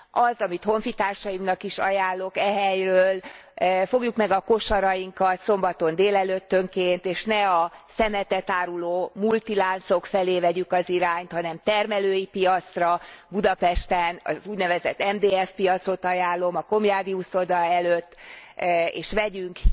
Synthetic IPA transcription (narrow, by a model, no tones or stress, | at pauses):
ɒzɒmit̪ho̞ɱfit̪aːrʃɒjimnɒkiʃɒ̰jaːlːo̞kɛɦɛjrøːlfo̞ɡjukmɛɡɒko̞ʃɒɾɒjiŋkɒt̪so̞mbɒt̪o̞nd̪eːlɛløt̪ːøŋkeːnt̪eːʃnɛɒsɛmɛt̪ɛt̪aːɾuloːmult̪ilaːnt̪so̞kfɛleːvɛɟykɒziɾaːɲt̪hɒnɛmt̪ɛrmɛløːjipijɒt̪srɒbud̪ɒpɛʃt̪ɛnɒ̰zuːɟnɛvɛzɛt̪ːɛmd̪eːɛfpijɒt̪so̞t̪ɒjaːlːo̞mɒko̞mjaːd̪iuso̞d̪ɒɛløt̪ː | ḛːʃʋɛɟyŋk